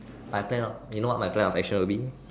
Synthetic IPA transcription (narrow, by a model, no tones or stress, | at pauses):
majpʰlɛ̃nɔfjunowɔt̚majpʰlɛ̃nɔfɛk̚ʃə̃nwəlbi